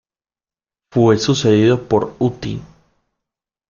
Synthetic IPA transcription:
fwesuse̞ðiðo̞poɾut̪ḭn

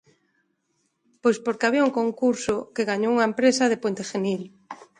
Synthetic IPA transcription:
pojspoɾkeaβiauŋkoŋkuɾsʊkeɣaɲowuŋaempɾesɐð̞epwent̪exenil

